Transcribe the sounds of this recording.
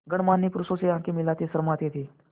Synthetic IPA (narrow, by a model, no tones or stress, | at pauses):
ɡəɳ̃manːipɾusoseɦãkimilat̪esəɾmat̪jet̪ʰiː